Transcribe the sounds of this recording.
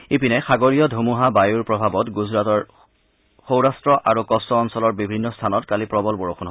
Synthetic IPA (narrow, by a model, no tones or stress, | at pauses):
epinɛxaɡoɹijɔdʱumuɦabajuɹpɹɔbʱabɔtɡuzɹatɔɹ | xowɹastɹɔʔaɹukɔstɔːnsɔlɔɹbibʱinːɔstʰanɔtkalipɹɔbɔlbɔɹoxʰunɦo